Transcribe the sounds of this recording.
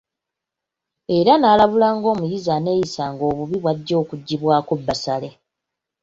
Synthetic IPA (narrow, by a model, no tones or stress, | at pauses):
e̞ɾanaːlaβulaːŋɡo̞ːmujizane̞ːjisaːŋɡo̞ːβuβiβwaɟːo̞ːkuɟːiβwaːkobːasale̞